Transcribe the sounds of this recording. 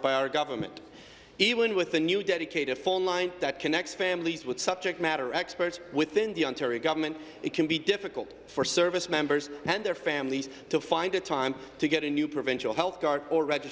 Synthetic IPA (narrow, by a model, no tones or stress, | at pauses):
b̥aɪaʊə˞ɡʌvə˞mɨ̰̃nt | ivə̃nwɪðɨnjʉdɛɾɨkʰeɪɾɨd̥fõʊ̃nlãɪ̃nðɨt̚kʰɨnɛk̚tsfæ̃mlizwəð̥sʌb̚d͡ʒɨk̚t̚mæɾə˞ɛkspə˞tswɪθɪ̃nðiɑ̃ntʰɛɹiɨɡʌvə˞mɨ̃nt | ɨt̚kʰɨ̃nbidɪfɨkəlˠt | fə˞sɜ˞vɨsmɛ̃mbə˞zʔɨ̃nðə˞fæ̃mliz̥ | tʰɨfãɪ̃ndɨtʰãɪ̃m | tʰɨɡɛɾɨnjʉpʰɹ̥ɨvɪ̃nʃl̩ˠɦɛlˠθɡ̥ɑɹɾə˞ɹɛd͡ʒɨ